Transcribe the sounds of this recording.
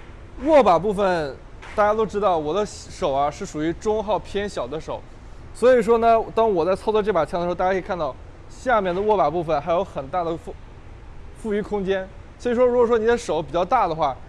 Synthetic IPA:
wɔ˥˩pa˨˩p̬u˥˩fə˩n | t̪a˥˩t͡ɕja˥t̪o˥ʊʈ͡ʂɻ̩˥t̪ɑ˥˩ʊwɔ˨˩d̪ə˦ | ʂo˨˩ʊɐ˦ʂɻ̩˥˩ʂu˨˩y˧˥ʈ͡ʂʊ˥ŋxɑ˥˩ʊpʰjɛ˥nɕjɑ˨˩ʊd̪ə˦ʂo˨˩˦ʊ | swɔ˧˥i˨˩ʂ̬wɔ˥nə˨t̪ɑ˥ŋwɔ˨˩t͡sa˥˧ɪt͡sʰʊt͡swɔ˥˧ʈ͡ʂɤ˥˩pa˨˩t͡ɕʰjŋə˧˥˧a˥˩kʰnt̪ɑ˥˩ʊ | ɕja˥˧mjɛ˥˩nd̪ə˩wɔ˥˩pa˨˩pu˥˩fə˨˩nxa˧˥ɪjo˧˥ʊxə˨˩nt̪a˥˩d̪ə˩f | fu˥˩y˧˥kʰʊ˥ŋt͡ɕjɛ˥n | t͡ɕʰi˧˥ʂɻ̩˨˩ʂwɔ˥ɻu˧˥wɔ˨˩ʂwɔ˥ni˨˩d̪ə˦ʂo˨˩˦ʊp̬i˨˩t͡ɕjɑ˧ʊt̪a˥˩d̪ə˩xwa˥˩

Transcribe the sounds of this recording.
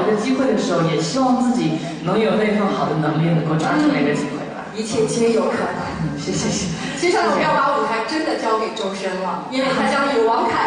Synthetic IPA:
d̪ə˧t͡ɕi˥xwe˥˩d̪ə˩ʂɻ̩˧˥xo˥˩ʊjɛ˨˩ɕi˥wɑ˥˧ŋt͡sɹ̩˥˩t͡ɕi˨˩˦ | nɤ˧˥ŋjo˨˩ʊne˥˩ɪfə˥xɑ˨˩ʊd̪ə˦nɤ˧˥ŋli˥˩nɤ˧˥ŋko˥˧ʊʈ͡ʂwa˥ʈ͡ʂə˥˧na˥˩ɪɡə˩t͡ɕi˥xwe˥˩ɪbɐ̰˩i˧˥t͡ɕʰjɛ˥˩t͡ɕ̩ʰ˧˥˧jo˧˥ʊkʰə̰˨˩nə˧˦n̩˥˩ɕɛ˥˩ɕɛ˧ɕɛ˧˩ | t͡ɕʰi˧˥ʂɻ̩˧˥ɔ˨˧˥t̪ɑ˥˩ʊlu˨˩xa˧˥ɪʈ͡ʂə˥nd̪ə˨t͡ɕjɑ˥ʊke˨˩ʈ͡ʂʊ˥ŋʂə˥ŋlə˨i˥we˥˩xa˧˥ɪt͡ɕjɑ˥ŋi˨˩wɑ˧˥ŋkʰa˨˩˦

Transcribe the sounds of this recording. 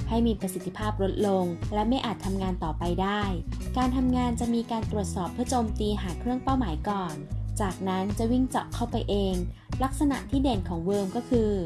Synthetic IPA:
ha˥˩jmiː˧pɾa˧si˨˩t̪ʰːi˧˩pʰaː˥˩p̚ɾo˦˥t̪̚lo˧ŋlɛ˦˥wma˥˩jʔaː˨˩t̪ʰːa˧mŋaː˧nt̪ɔː˨˩pa˧jdaː˥˩jkaː˧nt̪ʰa˧mŋaː˧nt͡ɕa˨˩miː˧kaː˧nt̪ɾu˨˩ət̪̚sɔː˨˩pʰːɯ˥˩ət͡ɕoː˧mt̪iː˧ɦaː˩˦kʰɾɯ˥˩əŋpa˥˩wmaː˩˦jkɔː˨˩nt͡ɕaː˨˩k̚na˦˥nt͡ɕa˨˩wi˥˩ŋt͡ɕɔ˨˩kʰːa˥˩wpa˧jʔeː˧ŋ | la˦˥k̚sa˧na̰˨˩ʔt̪ʰiː˥˩de˨˩nkʰɔː˩˦ŋwɤː˧mkɔː˥˩kʰɯː˧

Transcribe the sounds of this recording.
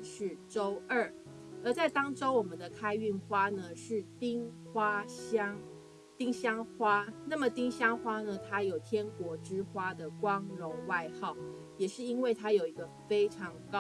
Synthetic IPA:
ʂɻ̩˥˩˨ʈ͡ʂo˥ʊə˥˩ | ə˞˧˥t͡sa˥˩ɪt̪ɑ˥ŋʈ͡ʂo˥ʊwɔ˨˩mə˨˦nd̪ə˨kʰa˥ɪy˥˩nxwa˥nə˨ʂɻ̩˥˩t̪i˥ŋ | xwa˥ɕjɑ˥ŋ | t̪i˥ŋɕjɑ˥ŋxwa˥na˥˩mə˨t̪i˥ŋɕjɑ˥ŋxwa˥nə˨t̪ʰa˥jo˨˩ʊt̪ʰjɛ˥nkwɔ˧˥ʈ͡ʂɻ̩˥xwa˥d̪ə˨kwɑ˦˥ŋɻo˧˥ŋwa˥˧ɪxɑ˥˩ʊ | jɛ˨˩ʂɻ̩˥˩i˥nwe˥˩ɪt̪ʰa˥jo˨˩ʊi˧˥ɡə˧fe˥ɪʈ͡ʂʰɑ˧˥ŋkɑ˦

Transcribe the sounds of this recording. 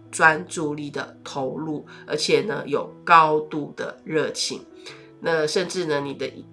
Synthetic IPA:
ʈ͡ʂwa˦nʈ͡ʂu˥˧li˥˩d̪ə˩t̪ʰo˧˥ʊlu˥˩ə̰˧˥t͡ɕʰjɛ˨˩nə̰˧˦jo˨˩ʊkɑ˥ʊt̪u˥˩d̪ə̰˩ɻɤ˥˩t͡ɕʰḭ˧˩˦ŋ | na˥˧ʂə˥˧nʈ͡ʂɻ̩˥˩nə˩ni˨˩d̪ə˦ʔi˧

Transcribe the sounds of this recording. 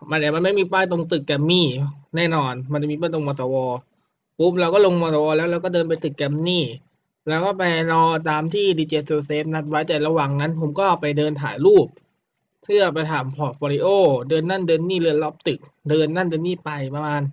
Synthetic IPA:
ma˧nʔa˨˩ma˧nma˥˩jmiː˧paː˥˩jt̪o˧ŋt̪ɯ˨˩kːɛː˧mːniː˥˩nɛː˥˩nɔː˧nma˧nt͡ɕa˨˩miː˧p̬aː˥˩t̪o˧ŋmɔː˧sɔː˧wɔː˧ | pu˦˥p̚ɾa˧wkɔː˥˩lo˧ŋmɔː˧s̬a˧wɔː˧lɛː˦˥wɾla˦˧wk̬ɔː˥˩dɤː˧np̬a˧jt̪ɯ˨˩kːɛ˧mniː˥˩ | lɛː˦˥wkɔː˥˩pa˧jɾɔː˧t̪aː˧mt̪ʰiː˥˩diː˧t͡ɕeː˧so˧seː˦˥p̚na˦˥t̪̚wa˦˥˩jt͡ɕa˨˩ɾa˧waː˨˩ŋna˦˥npʰo˩˦mkɔː˥˩ʔa˧˩wpa˧jdɤː˧nt̪ʰa̰ː˩˦jɾuː˥˩p̚ | pʰɯ˥˩ɐpa˧jt̪ʰaː˩˦mpʰɔː˨˩t̪̚fʰɔː˧ɾi˧˥ʔoː˥˩dɤː˧nːa˥˩ndɤː˧nːiː˥˩lɯ˧˩˨lɔː˦˥p̚t̪ɯ˨˩k̚dɤː˧nːa˧˥˩ndɤː˧nːiː˥˩pa˧jpa˧maː˧n

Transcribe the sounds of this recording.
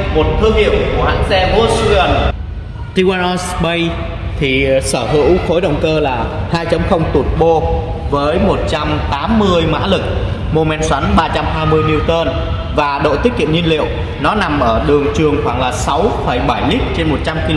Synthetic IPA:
mo˨˩t̚t̪ʰɨ˧əŋhḭ˧˩əwku˧˩ha̰ː˧˥ŋzɛ˧vo˧˩su˧ə˨˩n | t̪i˧waː˧nɔ˧sɓə˧j | t̪ʰi˨˩səː˧˩hɨ̰˧˥wxo˨˦jɗə̰˨˩wŋ͡mkəː˧laː˨˩haː˧jt͡ɕə˨˧˦wŋ͡mxə˧wŋ͡mt̪u˨˩ət̚ɓo˧ | vəː˨˦jmo˨˩t̚t͡ɕa˧mt̪aː˨˦mːɨ˧əjma̰ː˧˥lɨ˨˩k̚ | mu˧mɛ˨˧nswa˨˦nɓaː˧t͡ɕa˧mɦaː˧jmɨ˧əjni˧wt̪əː˧n | vaː˨˩ɗo̰˧˨t̪i˦˥k̟̚kḭ˧˨ənɲi˧nlḭ˧˨əw | nɔ˨˦na˨˩mʔəː˧˩ɗɨ˨˩əŋt͡ɕɨ˨˩əŋxwaː˧˩ŋlaː˨˩sa˨˦wfə˧˩jɓa˧˩jli˦˥k̚t͡ɕe˧nmo˨˩t̚t͡ɕa˧mki˧

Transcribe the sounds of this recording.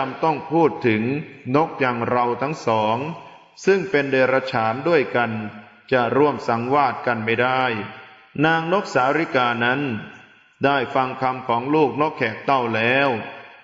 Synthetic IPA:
a˧mt̪ɔ˥˩ŋpʰuː˥˩t̪ʰːɯ˩˦ŋno˦˥k̚jaː˧ŋɾa˧wt̪ʰa˦˥ŋsɔː˩˦ŋ | sɯ˥˩ŋpe˧ndeː˧ɾa˧t͡ɕʰaː˩˦ndu˥˩əjka˧n | t͡ɕa˨˩ɾu˥˩əmsa˩˦ŋwaː˥˩t̪̚ka˧nma˥˩jdaː˥˩j | naː˧ŋno˦˥k̚saː˩˦ɾi˦˥kaː˧na˦˥n | daː˥˩jfa˧ŋkʰa˧mkʰɔː˩˦ŋluː˥˩k̚no˦˥kʰːɛː˨˩k̚t̪a˥˩wlɛː˦˥w

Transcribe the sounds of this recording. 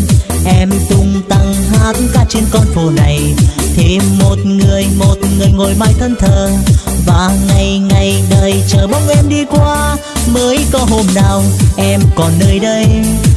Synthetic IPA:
ʔɛ˧mt̪ʊ˧ŋ͡mt̪a˧˩ŋhaː˧˥t̚kaː˦˥k̚t͡ɕe˧nkɔ˧nfo˨˩na˨˩jt̪ʰe˨˦mo˨˩t̚ŋɨ˨˩əjmo˨˩t̚ŋɨ˨˩əjŋo˨˩jmaː˧jt̪ʰə˧nt̪ʰəː˨˩vaː˨˩ŋa˨˩jŋa˨˩jɗəː˨˩jt͡ɕəː˨˩ɓə˨˧˦wŋ͡mʔɛ˧mɗi˧kwaː˧məː˨˦jkɔ˨˧˦ɦo˧mnaː˨˩wʔɛ˧mkɔ˨˩nːəː˧jɗə˧j

